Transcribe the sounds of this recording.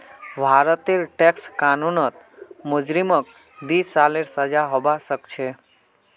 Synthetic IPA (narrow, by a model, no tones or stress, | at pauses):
bʱaːɾət̪eɾʈekskaːnunət̪mʊd͡ʒɾimək̚ | d̪iːsːaleɾsəd͡ʒaɦobasəkt͡ʃʰe